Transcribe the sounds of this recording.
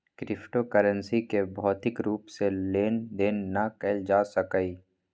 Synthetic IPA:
kɾɪpʰʈokəɾənsikebʱɔːt̪ɪkɾuːpseleːnd̪eːnːakəɪld͡ʒaːsɐkəi

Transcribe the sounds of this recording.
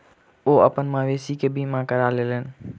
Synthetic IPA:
oːə̰pənɪ̆mãʋeːsikʰeːbʱimãːkəɾaːlelənɪ̆

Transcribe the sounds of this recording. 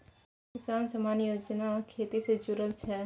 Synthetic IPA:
kɪsaːnsɐmaːnjoːd͡ʒnakʰeːt̪ised͡ʒʊɾəlt͡ʃʰɛː

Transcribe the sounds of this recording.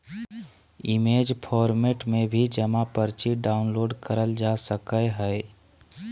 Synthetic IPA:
ɪmeːd͡ʒpʰɔːɾmeːʈmẽbʱid͡ʒəmapəɾt͡ʃiɖaːʊnloːɖkəɾəld͡ʒasəkəeɦɛe

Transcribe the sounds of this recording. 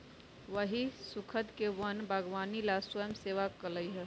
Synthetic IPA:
ʋəɦisukʰət̪keʋənbʱaɡʋanilaswəjəmseʋakələjɦɛ

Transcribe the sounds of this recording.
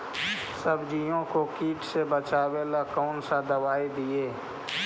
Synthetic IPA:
səbd͡ʒijõkokiːʈsebət͡ʃaːweːlakɔːnsad̪əʋaːid̪ieː

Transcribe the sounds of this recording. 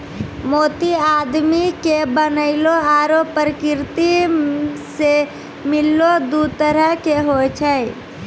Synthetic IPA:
moːt̪iaːd̪mikebənəɪloaːɾoːpːəɾəkɪɾt̪i | se | mɪlːod̪ut̪əɾəɦkeɦot͡ʃʰə

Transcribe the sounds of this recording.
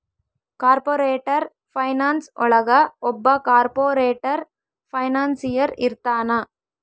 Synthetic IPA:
kaːɾpoːɾeːʈːɐɾ | fɐɪnaːnsʔʊ̰ɭɐɣɐʔɔbːɐkaːɾpoːɾeːʈːɐɾ | fɐɪnaːnsɪjɐɾɪ̰ɾɯt̪ːaːna

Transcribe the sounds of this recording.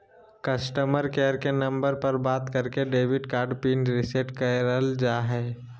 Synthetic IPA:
kəsʈəməɾkeəɾkenə̃mbəɾpəɾbaːt̪kəɾkeɖeːʋɪɖkaːɾɖpiːnɾɪseʈkəɾəld͡ʒaːɦɛː

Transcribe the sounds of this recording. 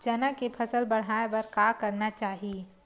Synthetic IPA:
d͡ʒɐnakepʰɐsəlbɐɽ̤aːebɐɾkakɐɾnat͡ʃaːɦieː

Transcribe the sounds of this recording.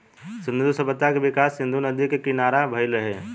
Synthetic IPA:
sɪnd̪usəbət̪ːakeʋɪkasːĩnd̪ʱunəd̪ikekinaɾabʱəjləɦḛ

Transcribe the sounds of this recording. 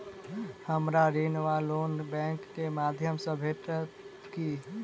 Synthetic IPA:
həmɾaɾinʋalonbɛ̃ŋkːemad̪ʱjəmsə̃bʱeʈət̪ | ki

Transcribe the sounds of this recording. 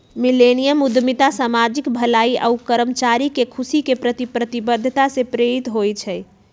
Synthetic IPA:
milenijəmud̪ʱmit̪asamad͡ʒikbʱəlaiʔa̰ukəɾəmt͡ʃaɾikekʰusikepɾət̪ipɾət̪ibəd̪ʱːət̪asepɾeɾit̪ɦojt͡ʃʰɛj

